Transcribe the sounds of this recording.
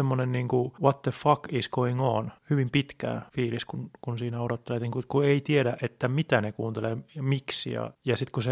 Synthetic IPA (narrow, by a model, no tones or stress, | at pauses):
emːonenniːŋkuwɑt̪ːeffɑkiskoiŋoːnhyʋimpit̪kæ̰fiːliskunkunsiːnæodot̪ːelet̪niːŋkut̪kueit̪ieɾæʔʔet̪ːæmit̪ænekuːnt̪eleːmiksḭjɑ̰jɑsit̪kuse